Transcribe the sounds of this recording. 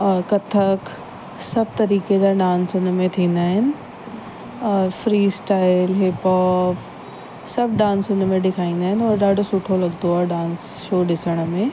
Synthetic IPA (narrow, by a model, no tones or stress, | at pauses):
kɐt̪ʰək | sɐb̚ʱt̪ɐɾiːked͡ʑaɖãːnsʊnmẽt̪ʰĩːn̆d̪aːɦɪnɪ̆ | ɔːɾfɾiːsʈaːɪlɦepɔːp | sɐbʱɖãːnsʊnmẽɗɪkʰaːĩːnd̪aːɦɪnɪɔːɾɗaːɖʱosʊʈʰolɐɡt̪oaːɦeɖãːns | ʃoːɗɪsəɽ̃̆mẽ